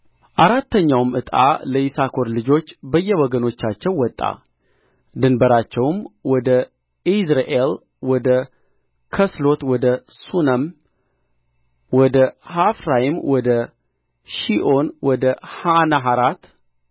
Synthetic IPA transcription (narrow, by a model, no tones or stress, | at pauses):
ʔaɾat̪ːəɲːawmɨt̪ʼa̰ləʔisakʰo̞ɾlɨd͡ʒo̞t͡ʃːbəjːɛwɔɡəno̞t͡ʃːat͡ʃːɛwːɔt̪ʼːa̰ | d̪ɨnbəɾat͡ʃːɛwmwɔd̪ə | izɾaʔel | wɔd̪ə | kʰəslo̞t̪wɔd̪əsunəm | wɔd̪əhafɾajimwɔd̪ə | ʃiʔonwɔd̪əhanaɦaɾat̪